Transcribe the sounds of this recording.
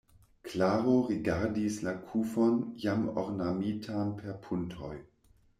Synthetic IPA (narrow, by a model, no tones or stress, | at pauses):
klaːʁoʁiɡaɾdislakʰufonjamo̰ʁnamiːtʰanpʰeʁpʰuntʰoj